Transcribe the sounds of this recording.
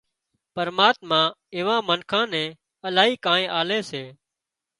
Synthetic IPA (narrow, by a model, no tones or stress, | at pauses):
pəɾmaːt̪mãːɪːʋãːmənkʰãːnɛ̃ː | əlaːɦiːkãːẽːʔaːleːseː